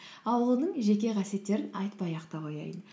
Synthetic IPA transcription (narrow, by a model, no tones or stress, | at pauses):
ɑwəlˠnəɴʒe̞kʲe̞ʁʰɑsje̞t̪ːe̞ɾɪnɑjt̪pɑjɑqt̪ɑʁojɑ̰jən